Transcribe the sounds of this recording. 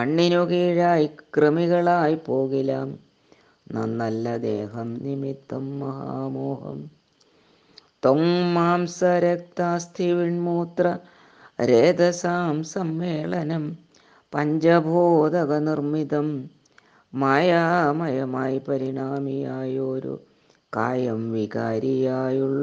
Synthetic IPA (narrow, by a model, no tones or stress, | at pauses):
ɐɳːinoɣiːɻaːjikrɨmiɣɐɭaːjpoːɣilaːm | nɐ̰nɐlːɐd̪ḛːɦɐmnimit̪ːɐmːɐɦa̰ːmoːhɐ̰m | t̪oŋmaːmsɐɾek̚t̪aːst̪ʰiʋiɳmuːt̪rɐ | ɾeːd̪ɐsaːmsɐmʋeːɭɐnɐm | pɐɲd͡ʑɐbʱoːd̪ɐɣɐnirmiðɐmː | aːjaːmɐjɐmaːjpɐɾiɳaːmijaːjoːɾṵ | ka̰ːjɐmʋikaːɾijaːjuɭː